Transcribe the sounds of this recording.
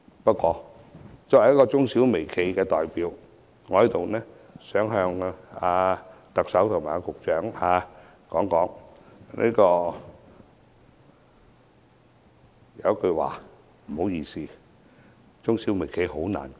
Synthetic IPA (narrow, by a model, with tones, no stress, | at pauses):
pɐ˥t̚kʷɔː˧ | t͡sɔː˧khjɐ˥kɔː˧t͡sʊ˥ŋsiː˨˥wme˨˩jkʰe˨˧jkɛː˧t̪ɔː˨˩jpiː˨˧˥w | ŋɔː˨˧hɐ˨˥jt̪o˨wnɛː˥ | sœː˨˥ŋɦœː˧ŋaː˧ | t̪ɐ˨k̚sɐ˨˥wt̪ʰʊ˨˩ŋmaː˨˩a˧kʊ˨k̚t͡ʃœː˨˥ŋhaː˧ | kɔː˨˥ŋkɔː˨˥ŋnʔḭː˥kɔː˧ | jɐ˨˧˥kɵ˧wa̰ː˨˩ | m̩˨˩ho˨˥wjiː˧siː˧ | t͡sʊ˥ŋsiː˨˥wme˨˩jkʰe˨˧jho˨˥wna̰ː˨˩n